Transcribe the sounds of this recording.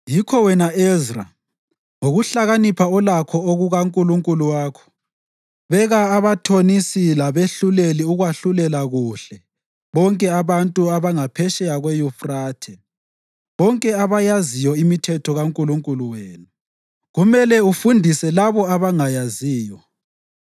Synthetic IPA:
jikʰɔwɛnaezra̰ | ŋoɣuɬaɣanipʰaɔlakʰɔoɣuɣaŋkʼuluŋkʼuluwaːkʰɔ̥ | βɛɣaːβatʰonisilaβeɬuleliuɣwaɬulɛlaɣuɬɛ | βɔŋkʼɛaβantʼuaβaŋapʰɛʃɛjaɣwɛjufraːtʰɛ | βɔŋkʼɛaβajazijɔimitʰɛtʰɔɣaŋkʼuluŋkʼuluweːnu | ɣumɛlɛufundʱisɛlaβɔaβaŋajaziːjɔ

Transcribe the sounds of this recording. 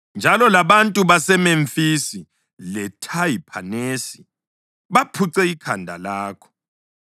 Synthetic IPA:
nd͡ʒʱalɔlaβantʼuβasɛmeɱfisi | lɛtʰaipʰanesi | βapʰuǀɛikʰandʱa̰laːkʰɔ̥

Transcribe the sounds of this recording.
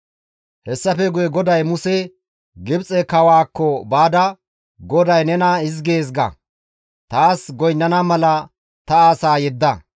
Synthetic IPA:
hɛsːɐfɛɡʊjɛɡɔd̪ɐjmʊsɛ | ɡɪbt͡sʼɛkɐwaːkːɔbaːd̪ɐ | ɡɔd̪ɐjnɛnɐɪzɡe̞ːs̬ɡɐ̰ | t̪aːsɡɔjnːɐnamɐlɐ | t̪ɐaːsaːjɛd̪ːɐ

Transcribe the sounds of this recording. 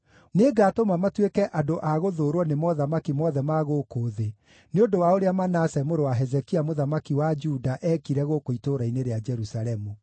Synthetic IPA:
neɡaːtomamatwekɛʔadoʔaɣoðoːɾwɔnemɔðamakimɔðɛmaɣokoðe | neondowaoɾeamanasɛmoɾowaɦɛzɛkiamoðamakiwad͡ʒudaʔɛːkiɾɛɣokoitoɾaineɾead͡ʒɛɾusaɾɛmu

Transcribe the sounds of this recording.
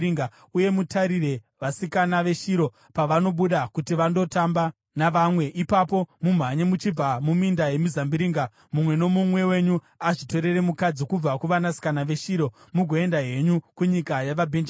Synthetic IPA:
iŋɡa | uje̞mutʰaɾire̞ | ʋasikanaʋe̞ʃiɾo̞ | paʋano̞ɓuɗakutiʋando̞tamba | naʋamwe̞ʔipapo̞mum̤aɲemut͡ʃib͡vamumindaje̞mizambiɾiːŋɡa | mumwe̞no̞mumwe̞we̞ɲu | aʐito̞ɾe̞re̞mukad͡zikub͡vakuʋanasi̥kanaʋe̞ʃiːɾo̞muɡʱoe̞ndaɦe̞ɲukuɲikajaʋabʱend͡ʒ

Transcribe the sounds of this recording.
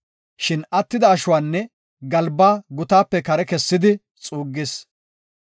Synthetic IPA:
ʃɪnɐt̪ːɪd̪ɐːʃʊwaːnːɛ | ɡɐlbaːɡʊt̪aːpːɛkɐɾɛkɛsːɪd̪ɪ | t͡sʼuːɡːɪs

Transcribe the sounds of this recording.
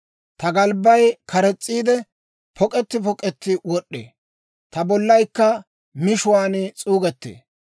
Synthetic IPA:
t̪ɐɡɐlbːɐjkʰɐɾɛt͡sʼːiːd̪ɛ | pʰɔkʼɛt̪ːɪpɔkʼɛt̪ːɪwɔɗːḛː | t̪ɐbɔlːɐjkːɐ | mɪʃʊwaːnt͡sʼuːɡɛt̪ːḛː

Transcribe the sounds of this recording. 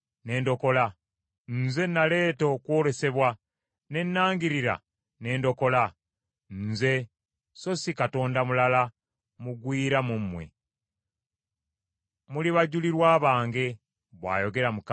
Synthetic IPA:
ne̞ːndo̞ko̞la | nze̞nale̞ːto̞kwoːle̞se̞βwa | ne̞nːaːŋɡiɾiɾa̰ | ne̞ːndo̞ko̞la | nze̞ | so̞sikato̞ːndamulala | muɡwiːɾamumːwe̞̰ | muliβaɟuliɾwaːβaːŋɡe̞ | βwa̰ːjo̞ɡe̞ɾamuk

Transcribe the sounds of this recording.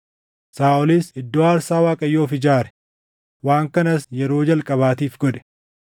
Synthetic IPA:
saːʔɔlɪsɪd̪ːoːɐɾsaːwaːkʼɐjːoːfɪd͡ʒaːɾɛ̥ | waːŋkɐnɐsjɛɾoːd͡ʒɐlkʼɐβaːt̪iːfɡɔd̪ɛ̥

